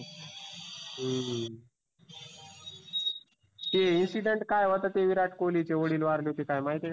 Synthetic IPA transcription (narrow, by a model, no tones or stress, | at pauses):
t̪einsiɖəɳʈkajʋət̪at̪eʋiɾaʈʰkolit͡ɕeʋəɽiːlʋaɾleɦot̪ikajmaɦit̪e